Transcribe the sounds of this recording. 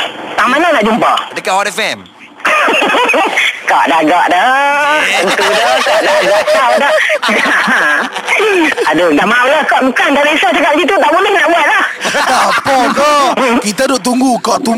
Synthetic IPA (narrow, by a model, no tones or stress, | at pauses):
t̪aʔmananaʔd͡ʒumpadəkaʔwɔɾɛfɛm | kɔʔdaɡɔʔda | ənt̪udakɔʔdaɡaʔtawda | adədaʔmawlahkɔʔmukand̪aliisat͡ʃakap̚isit̪ut̪aʔbulɪhnaʔbuat̪̚lahapɔkɔkit̪adoʔt̪̬uŋɡukɔʔt̪u